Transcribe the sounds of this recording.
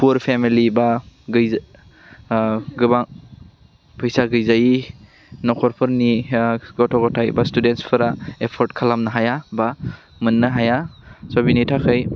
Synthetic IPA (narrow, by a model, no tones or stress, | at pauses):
pʰuɾpʰemilibaɡɯj | ɡɯbaŋ | pʰɯjsaɡɯjzaji | nɔkʰɔɾpʰɯɾniɡɔtʰɔɡɔtʰajbastudentspʰɯɾaepʰɔɾtkʰalamnaɦajaba | mɯnːaɦajasɔbinitʰakʰɯj